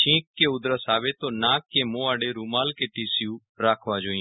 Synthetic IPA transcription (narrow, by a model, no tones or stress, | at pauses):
t͡ʃʰĩːkːeʊd̪ɾəsaːʋet̪oːnaːkːemõːaːɽeɾuːmaːlkeːʈiːsɪjuː | ɾaːkʰʋaːd͡ʒoːĩ